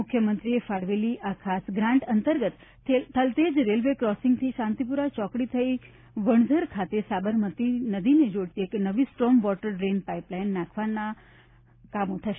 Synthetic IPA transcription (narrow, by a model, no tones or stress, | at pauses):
ʊkʰjəmənt̪ɾiefaɽʋeliʔakʰasɡɾãɳʈənt̪əɾɡət̪ | et̪ʰəlt̪ed͡ʒɾelʋekɾɔsɪŋɡt̪ʰiʃãnt̪ipuɾat͡ʃɔkɽit̪ʰəi | ʋəɳ̃zʱəɾkʰat̪esabəɾmət̪inəd̪ined͡ʒoɽt̪ieknəʋisʈɾɔmʋɔʈəɾɾenpaiplainːakʰʋanːa | kamot̪ʰaʃ